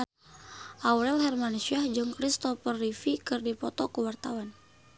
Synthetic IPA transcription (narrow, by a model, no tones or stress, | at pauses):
ʔawɾɛlɦɛrmanusiahd͡ʒɨŋkɾist̪ɔfərːifikɨrdipɔt̪ɔkəwart̪awan